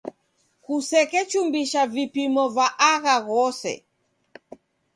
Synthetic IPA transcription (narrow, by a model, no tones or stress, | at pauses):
kusɛkɛt͡ʃumbiʃavipimɔvaʔaɣaɣɔsɛ̰